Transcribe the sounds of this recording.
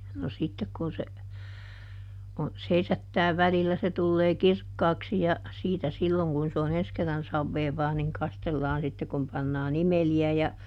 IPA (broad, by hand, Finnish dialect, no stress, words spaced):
no sitːek kun se on seisætːæː ʋælilːæ se tulːeː kirkːɑːksi jɑ siːtæ silːoŋ kun se on ens kerːɑn sɑʋːeːʋɑː niŋ kɑstelːɑːn sitːe kum pɑnːɑːn imeliæ jɑ